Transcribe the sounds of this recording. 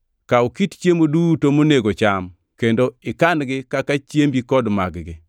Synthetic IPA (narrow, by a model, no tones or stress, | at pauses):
kaukitt͡ʃjemodutomoneɡot͡ʃam | kendoɪkanɡɪkakat͡ʃjembikɔdma̰ɡɡɪ